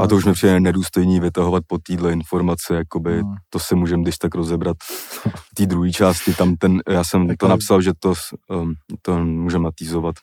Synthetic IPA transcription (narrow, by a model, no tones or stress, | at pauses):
ʔat̪ouʃmɪpr̥ɪjɛnɛnɛduːst̪o̞jniːvɪt̪aɦovat̪̚pot̪iːdlɛɪnfo̞ɾmat͡sɪjako̞bɪt̪o̞sɪmuːʒɛmdɪʃt̪akɾozɛbɾat̪ft̪iːd̪ɾuɦiːt͡ʃaːscɪt̪amt̪ɛnjaːsɛmt̪onapsalʒɛt̪o | t̪omuːʒɛmnat̪iːzovat̪